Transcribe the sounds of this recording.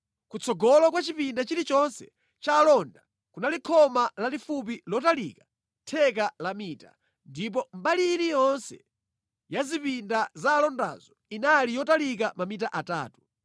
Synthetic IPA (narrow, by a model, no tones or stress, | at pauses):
kut͡sʰɔɡɔlɔk̬wat͡ʃipindat͡ʃilit͡ʃɔnsɛ̥ | t͡ʃaːlɔnda | kunalikʰɔmalalifup̬ilɔtalikḁ | tʰɛkalamiːta̰ | ndip̬ɔmbaliːnijɔnsɛ | jazipindazaːlɔnda̰z̥ɔinalijɔtalik̬amamitaʔata̰ːtu̥